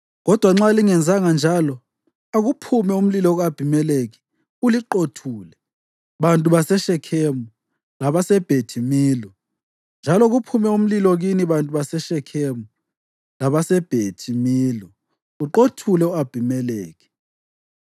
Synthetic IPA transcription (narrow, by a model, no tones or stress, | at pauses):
ɣɔd̥ʱwaŋ͡ǁaliŋɛnd͡zʱaŋand͡ʒʱalɔ | aɣupʰumɛum̩lilɔɣab̥ʱimɛleɣi̥ | uliǃotʰuːlɛ | βantʼuβasɛʃɛkʰemu | laβasɛb̥ʱetʰimiːlɔ | nd͡ʒʱalɔɣupʰumɛum̩lilɔɣiniβantʼuβasɛʃɛkʰemu | laβasɛb̥ʱetʰimiːlɔ | uǃotʰulɛuab̥ʱimɛleːɣi̥